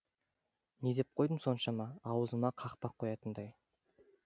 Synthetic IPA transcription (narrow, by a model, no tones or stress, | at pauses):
ne̞d̪ep̚qʰojd̪əmso̞nʃɑmɑːwəzəmɑqʰɑqpɑqʰːo̞jɑt̪ənd̪ɑj